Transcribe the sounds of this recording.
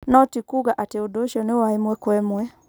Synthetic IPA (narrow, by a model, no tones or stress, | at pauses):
nɔtikuɡaʔateodoʃɔnewaemwɛkwɛmwɛ